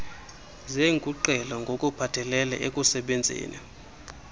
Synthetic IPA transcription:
zeŋkʼuǃɛlaŋɡʱokʼupʰatʰɛlɛlɛ̰ʔek̬ʼusɛɓend͡zʱḛːnḭ

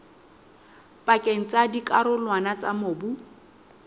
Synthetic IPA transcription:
pʼakʼeŋ̩t͡sʼadikʼaɾʊlwanat͡sʼamʊːbu

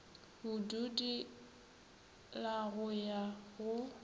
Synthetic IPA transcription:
hʊdudi | laɣʊjaɣʊ

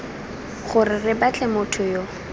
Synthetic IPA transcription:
χʊrɪrɪbat͡ɬɛmʊtʰʊjo

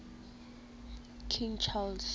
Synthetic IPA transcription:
kʰĩŋt͡ʃʰald

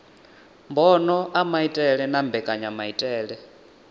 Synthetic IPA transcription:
mbɔnɔʔamaitʼɛɺɛnambɛkʼaɲamaitʼɛːɺɛ

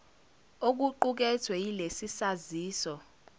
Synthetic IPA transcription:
ok̬uǃuk̬ɛtʰwɛilesisaziːsɔ

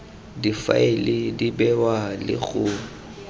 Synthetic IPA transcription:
difa̰elɪdibɛwalɪ̰ɣʊː

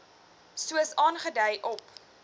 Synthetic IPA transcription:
suəsɑːnχədəjʔɔp

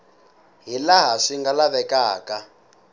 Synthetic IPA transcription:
ɦilaɦaʂiŋɡalaβɛkaːka

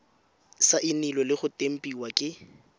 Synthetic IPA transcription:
saʔɪnilɔlɪχʊtʼem̩pʼiwakʼɪ

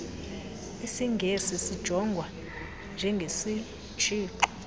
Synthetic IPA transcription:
isiŋɡʱesisid̥ʒ̥ʱɔŋɡʱwa | nd͡ʒʱɛŋɡʱesi | t͡ʃʰʼiːǃɔ̥

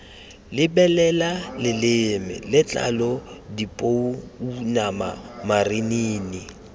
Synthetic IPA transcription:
lɪbɛlɛlalɪlɪmɪ̰lɪt͡ɬʼa̰lɔdipʼouunama̰mariniːni

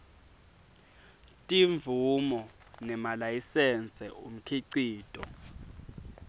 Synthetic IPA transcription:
tʼiɱvʱumɔ | nɛmalajisɛnt͡sʼɛum̩kʰiǀiːtʼɔ

